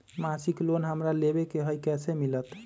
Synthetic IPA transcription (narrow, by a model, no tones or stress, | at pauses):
masiklonɦəmɾalebekeɦəjkɛsemilət̪